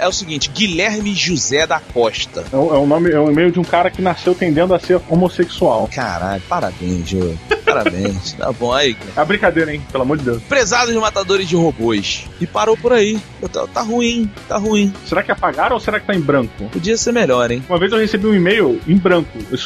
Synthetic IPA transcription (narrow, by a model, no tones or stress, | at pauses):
ɛʊsiɡĩt͡ʃɪɡilɛɾmɪʒuzɛd̪akɔʃt̪ɐ̰ɛũɛũnõmɪɛũimejʊd͡ʒɪũkaɾɐkɪnasewt̪ẽnd̪ẽnd̪ʊaseɾomoseksuawka̰ɾa̰ʎʊpaɾa̰bḛ̃j̃zʒo̰paɾa̰bḛ̃j̃st̪a̰bõaikaɛɐbɾĩkad̪ejɾɐẽj̃pelamoɾd͡ʒɪd̪ewspɾezad̪ʊd͡ʒɪmat̪ad̪oɾɪzd͡ʒɪɦobojʃɪpaɾowpʊɾai | t̪a̰t̪aɦuĩt̪aɦuĩseɾakɪapaɡaɾɐ̃oseɾakɪ̥t̪aẽj̃bɾɐ̃ŋkʊpʊd͡ʒiɐseɾmeʎɔɾẽj̃umɐvezewhesebiũimejʊẽj̃bɾɐ̃kʊes